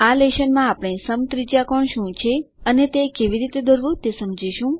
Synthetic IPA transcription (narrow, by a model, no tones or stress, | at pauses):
aleʃənmãapɽ̃ẽsəmt̪ɾid͡ʒjakɔɳʃũt͡ʃʰe | ənet̪ekeʋiɾit̪ed̪oɾʋũt̪esəmd͡ʒiʃũ